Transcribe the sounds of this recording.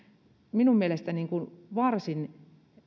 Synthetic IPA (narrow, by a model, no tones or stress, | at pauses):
minummielest̪æniːŋkunʋɑrsin